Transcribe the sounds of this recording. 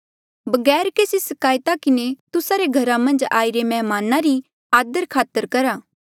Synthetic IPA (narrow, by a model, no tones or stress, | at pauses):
bɐɡɛːɾkeːsisɐkaːjt̪akɪnet̪ʊsaɾeɡʱɐɾamɐ̃nd͡ʒaːiɾemɛ̃ːmaːnaɾi | aːd̪əɾkʰaːt̪əɾkɐɾaː